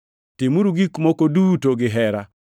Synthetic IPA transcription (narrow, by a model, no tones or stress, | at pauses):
tɪmuɾuɡikmokoduːtoɡɪɦɛɾa